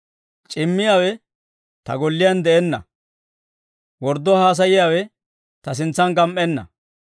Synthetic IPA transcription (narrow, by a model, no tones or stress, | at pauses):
t͡ʃʼɪmːɪjaːwɛ | t̪ɐ̰ɡɔlːɪjɐnd̪ɛʔɛnːɐ̰ | wɔɾd̪ːɔhaːs̬ɐjɪjaːwɛ | t̪ɐs̬ɪnt͡sːɐnɡɐmʔʼɛnːɐ̰